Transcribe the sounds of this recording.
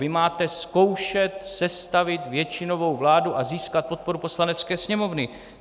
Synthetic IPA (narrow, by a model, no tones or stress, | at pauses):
vɪmaːt̪ɛsko̞wʃɛt̪sɛst̪avɪt̪vjɛt͡ʃɪno̞vo̞wvlaːduʔaziːskat̪̚po̞t̪̚po̞ɾupo̞slanɛt̪t͡skɛːsɲɛmo̞vnɪ